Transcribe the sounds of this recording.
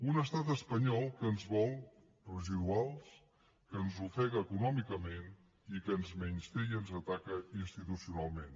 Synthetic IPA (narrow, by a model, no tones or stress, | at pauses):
unəst̪at̪əspəɲɔlˠkəːnzβɔlˠ | pɾuziðualˠs | kənzufɛɣəːkunɔmikəmen | ikənzmɛɲst̪ejənzət̪akəinst̪it̪usiunalˠmen